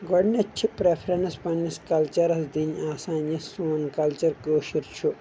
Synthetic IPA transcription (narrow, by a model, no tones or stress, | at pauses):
ɡɔɽnɐt͡ʃʰipɾepʰɾɐnspɐnːiskɐlt͡ʃɐɾɐsd̪inaːsaːnjɐsuːnkɐlt͡ʃɐɾkoːʃiɾt͡ʃʰu